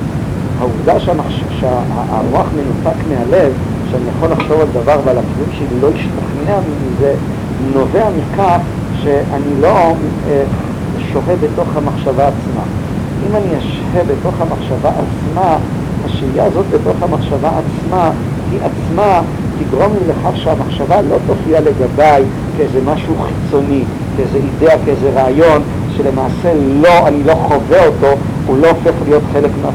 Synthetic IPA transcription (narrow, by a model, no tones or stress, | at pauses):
hauvdaʃaa | ʃa | moaχme̞nutakmehalev | ʃeanijaχo̞laχʃo̞vald̪avaʁvealakilumʃelo̞iʃtaχneamimize | no̞veamikʰaχ | ʃe̞ʔanilo̞m | e | ʃo̞ɦe̞be̞to̞χhamaχʃavaːt͡sma̰ | ʔimaniaʃhebeto̞χhamaχʃavaʔat͡sma | haʃvijazo̞tbe̞to̞χhamaχʃavaʔat͡sma | hiʔat͡sma | tiɡʁo̞mlileχaχʃeamaχʃavalo̞to̞fiale̞ɡabaj | keezemaʃuuχit͡so̞ni | keezeideakeezeʁaːjo̞n | ʃe̞le̞maːse̞lo̞anilo̞χove̞o̞to̞ | ulo̞ofe̞χlijo̞tχe̞le̞kmea